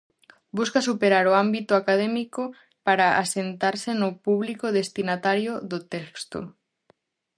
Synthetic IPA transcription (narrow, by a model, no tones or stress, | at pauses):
buskasupeɾaɾoambit̪oakað̞emiko | paɾaa̰sent̪aɾsenopuβlikoðest̪inat̪aɾjoðot̪ɛkst̪o̰